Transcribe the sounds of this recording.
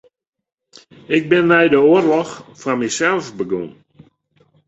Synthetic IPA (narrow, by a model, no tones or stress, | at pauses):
ɪk̚bɪnmɛjdəʊərlɔxfamɛjsɛlˠfbəɡoŋ